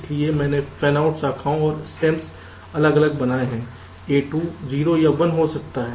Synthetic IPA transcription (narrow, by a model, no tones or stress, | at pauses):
liemɛ̃ːnefʰɛːnaːʊʈsaːkʰaːõɔːɾsʈɛ̃ːmps | ɐləɡɐləɡ̚bɐnaːeɦɛ̃ː | eːʈuːziːɾojɐbənɦosɐk̚t̪aɦɛː